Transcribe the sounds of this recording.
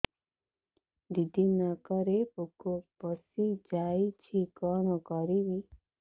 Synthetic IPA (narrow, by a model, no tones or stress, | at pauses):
d̪id̪ʱinakəɾepukopɔsid͡ʒait͡ʃʰikɔnɔkɔɾiʋi